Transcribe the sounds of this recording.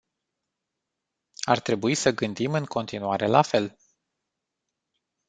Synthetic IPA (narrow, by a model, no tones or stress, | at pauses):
art̪ɾe̞buisəɡɨnd̪imɨŋkʰo̞nt̪inuaɾe̞lafe̞l